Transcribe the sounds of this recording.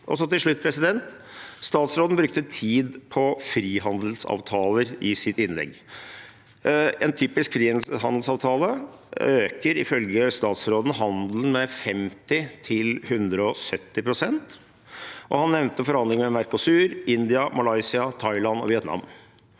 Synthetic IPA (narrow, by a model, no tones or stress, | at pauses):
ʔɔ̰sɔt̪ɪlʂɭʉt̪̚ːpʰɾɛsɪd̪ɛnt̪ | st̪ɑːt̪sɾoːd̪n̩bɾʉk̚t̪ət̪ʰiːd̪pʰɔfɾiːɦɑnd̪əl̩sɑ̰ːʋt̪ʰɑːləɾɪsɪt̪ɪnlɛ̰ɡː | ɛnt̪ʰyːpɪskfɾiːɛnhɑnd̪l̩sɑːʋt̪ʰɑːləøːkəɾɪfœlɡəst̪ɑːt̪sɾoːd̪n̩ɦɑnd̪l̩n̩mɛfɛmt̪ɪt̪ʰɪlhʉnd̪ɾəɔsœt̪ːɪpʰɾʊsɛnt̪ | ʔɔhɑnːɛʋnt̪əfɔɾhɑnd̪lɪŋəmɛmæɾkʊsʉːɾʔɪnd̪ɪɑmɑlɑɪsɪɑt̪ʰɑɪlɑnɔ̰ʋɪɛt̪nɑ̰m